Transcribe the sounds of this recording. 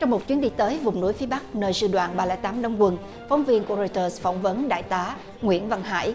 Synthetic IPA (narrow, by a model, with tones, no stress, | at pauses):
t͡ɕɔ˧wŋ͡mmo˨˩t̚t͡ɕwi˨˦ənɗi˧t̪əː˨˦jvʊ˨˩wŋ͡mnṵ˧˥jfi˨˦əɓa˦˥k̚nəː˧jsɨ̰˧˩ɗwa̰ː˧˨nɓaː˧lɛ̰ː˧˥jt̪aː˨˦mɗə˧˦wŋ͡mkwə˨˩n | fɔ˨˦wŋ͡mvi˧ənku˧˩əɾɔ˧jt̪əː˧˩sfɔ˧˩wŋ͡mvə˨˦nɗa̰ː˧˨jt̪aː˨˦ | ŋwḭ˧˥˨ənva˧ŋɦa̰ː˧˥˨j